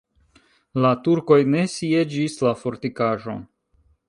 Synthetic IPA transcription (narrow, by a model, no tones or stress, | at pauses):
latuɾko̞jne̞sie̞d͡ʒislafo̞ɾtikaʒo̞̰n